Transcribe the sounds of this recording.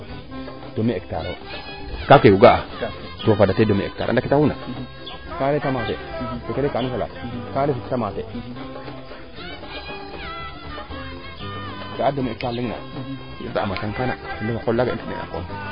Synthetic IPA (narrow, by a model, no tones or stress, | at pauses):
d̥omiekta̰ɾo | kakewuɡaa | tofadatedometaɾ̰dakitawuna | kaletamatḛtokedekanfala̰kalesittamate | ɡaadomik̚taɾliŋna̰ | itataa̰maɬaŋkana̰tineakollaɡaitinḛa̰ko̰n